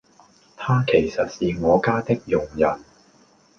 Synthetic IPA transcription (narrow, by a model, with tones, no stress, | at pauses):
t̪ʰaː˥kʰe˨˩jsɐ˨t̚siː˨ŋɔː˨˧kaː˥t̪ɪ˥k̚jʊ˨˩ŋjɐ˨˩n